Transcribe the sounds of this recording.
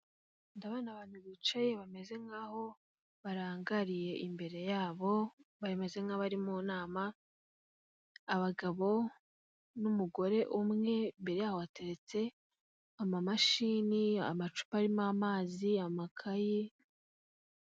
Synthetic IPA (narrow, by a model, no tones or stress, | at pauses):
ndaβaːnaβaːn̥huβit͡ʃajeβame̞ze̞ŋaːho̞ | βaɾaːŋɡaɾije̞ʔimbe̞ɾe̞jaːβo̞βaeme̞ze̞ŋaβaɾimuːnaːma | βaɡaβo̞ | numuɡo̞ɾe̞ʔumŋe̞mbe̞ɾe̞jaːhoβate̞ɾe̞t͡se̞ | amamaʃiːnia̰mat͡ʃu̥paɾimamaːziamakʰaji